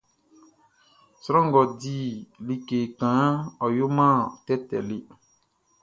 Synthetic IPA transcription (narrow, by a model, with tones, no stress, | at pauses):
sɾɔ̃˦ŋɡɔ˨di˦li˨ke˨kã˨˦ɔ˨jo˦mã˦˨tɛ˦tɛ̰˨le˦